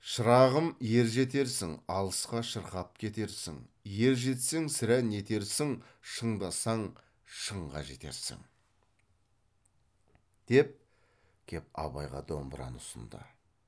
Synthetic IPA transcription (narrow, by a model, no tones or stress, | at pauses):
ʃəɾɑʁəmje̞ɾʒe̞t̪e̞ɾsɪŋɑlˠəsqɑʃəɾqɑp̚kʲʰe̞t̪e̞ɾsɪ̰ŋje̞ɾʒe̞t̪seŋsɪɾæne̞t̪e̞ɾsɪŋʃəɴd̪ɑsɑɴ | ʃəɴʁɑ̰ʒe̞̰t̪e̞̰ɾsɪ̰ŋ | d̪̥e̞p̚ | kʲʰe̞p̚ɑ̰βɑ̰jʁɑ̰d̪o̞mbəɾɑ̰nʊsə̰nd̪ə̰